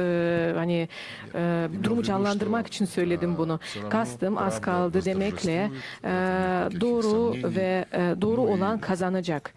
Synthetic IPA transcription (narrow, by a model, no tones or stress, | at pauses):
hani | d̪uɾumud͡ʒanlˠand̪ɯɾmaki̥t͡ʃʰinsø̞jlʲe̞d̪imbunukʰast̪ʰɯma̰skʰalˠd̪ɯd̪e̞mɛclʲɛ | d̪o̞ːɾuvɛd̪o̞ːɾuo̞lˠankʰazanad͡ʒak